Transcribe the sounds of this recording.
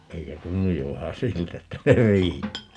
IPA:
eikø tunːuj jo ʋæhæ siltæ etːæ se riːtːæː

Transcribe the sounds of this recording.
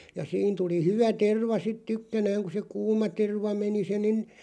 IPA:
jɑ siːn tuli hyʋæ terʋɑ sit tykːænæːŋ ku se kuːmɑ terʋɑ meni se nin

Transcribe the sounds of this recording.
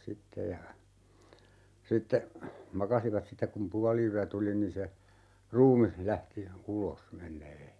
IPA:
sitːe jɑ sitːe mɑkɑsiʋɑt sitːek kum puɑliyæ tuli nin se ruːmih læhti ulos menˑeː

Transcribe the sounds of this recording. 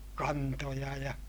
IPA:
kɑntojɑ jɑ

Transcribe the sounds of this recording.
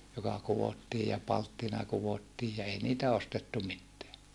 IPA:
jokɑ kuwotːiː jɑ pɑltːinɑ kuʋotːiːj jɑ ei niːtæ ostetːu mitːeæ

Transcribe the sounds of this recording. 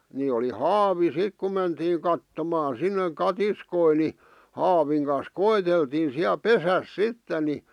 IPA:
ni oli hɑːʋi sik ku mentiːŋ kɑtːomɑːn̞ sinːeŋ kɑtiskoi ni hɑːʋiŋ kɑn̞s koeteltiːn̞ siæ pesæs sitːen̆ ni

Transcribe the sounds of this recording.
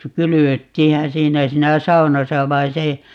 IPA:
kylyʋøtːiːhæ siːnæ siːnæ sɑunɑsɑ ʋɑin̞ se

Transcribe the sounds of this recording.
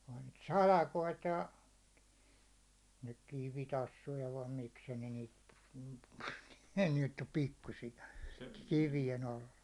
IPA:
ohɑ̥n̥ niːt sɑlɑkoit jɑ nyk kiʋitɑsːujɑ ʋɑim mikskæ ne niːt ne nyt om pikːusijɑ kiʋijen ɑlːɑ

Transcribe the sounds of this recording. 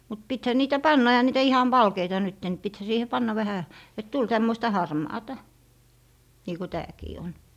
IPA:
mut pithæ niːtæ pɑnːɑ ehæ niːtæ ihɑn ʋɑlkeitɑ nytːe ni pithæ siːhe pɑnːɑ ʋæhæ et tul tæmːoistɑ hɑrmɑːtɑ niː ko tæːkiː on

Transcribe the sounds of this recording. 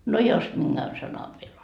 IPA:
no jos minɡ̊æn sɑnɑʋ ʋiel

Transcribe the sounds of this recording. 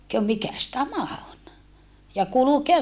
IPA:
kø mikæs tæmæ on jɑ kulukeɑs

